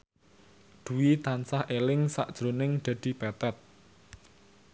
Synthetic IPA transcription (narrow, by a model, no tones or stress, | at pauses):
d̪̥ṳwit̪ansahelɪŋsa̰ʔd̥ʒ̥ɾonɪŋɖ̪̥ä̤d̪̥i̤bɛt̪ɛt̪̚